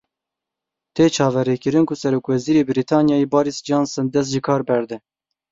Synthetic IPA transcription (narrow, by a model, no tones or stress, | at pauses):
t̪ʰeːt͡ʃʰɑːvɛɾeːkɨɾɨnkusɛɾoːkwɛziːɾeːbɨɾit̪ʰɑːnjɑːjebɑːɾisd͡ʒɑːnsɨnd̪ɛs̬t̪ʒikʰɑːɾbɛɾd̪ɛ